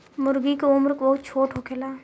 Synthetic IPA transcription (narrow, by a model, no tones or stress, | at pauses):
mʊɾɡikeʊmɾkbɐɦʊt̪̚t͡ʃʰoːʈɦokʰelaː